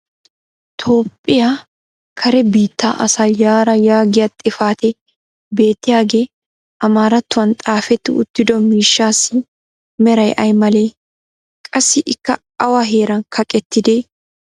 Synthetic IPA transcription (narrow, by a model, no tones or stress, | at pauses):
t̪ʰo̞ːpʼːɪja | kʰɐɾɛbiːt̪ːaːʔɐsaːjaːɾɐjaːɡɪjɐt̪ʼɪfaːt̪ɛ | be̞ːt̪ːɪjaːɡe | ʔɐmaːɾɐt̪ːʊɐnt̪ʼaːfɛt̪ːɪʊ̰t̪ːɪd̪ɔmiːʃːaːsɪ | mɛɾɐjʔɐjmɐleː | kʼɐsːɪʔɪkːɐ | ɐwaɦeːɾɐŋkʰɐkʼɛt̪ːɪd̪eː